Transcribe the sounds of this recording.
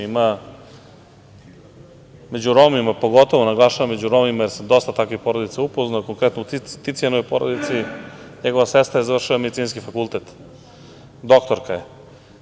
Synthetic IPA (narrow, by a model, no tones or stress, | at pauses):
ima | me̞d͡ʑuɾomimapo̞ɡo̞t̪oʋonaɡlˠaʃaʋamed͡ʑuɾomimajeɾsed̪o̞st̪at̪akʋixpo̞ɾod̪it̪saupoznajokoŋkɾet̪nout̪it̪it̪sienoojpoɾo̰d̪it̪si | ɲeɡoʋasest̪ɾajezavr̩ʃiʋamed̪it̪siːnskifakulˠt̪et̪ | d̪o̞kt̪oɾkaje